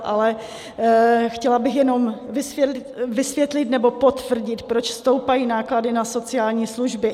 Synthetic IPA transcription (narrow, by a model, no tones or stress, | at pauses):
ʔalɛ | xcɛlabɪxjɛno̞mvɪsɛvɪsvjɛt̪lɪt̪nɛbo̞po̞t̪vr̩ɟɪt̪pɾot͡ʃfst̪o̞wpajiːnaːkladɪnaso̞t͡sɪaːlɲiːsluʒbɪ